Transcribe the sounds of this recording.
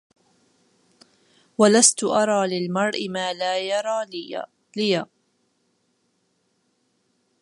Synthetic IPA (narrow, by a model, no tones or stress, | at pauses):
walast̪ʊʔɑɾˤɑːlɪlmɑɾˤʔɪmaːlaːjɑɾˤɑː | lɪjaː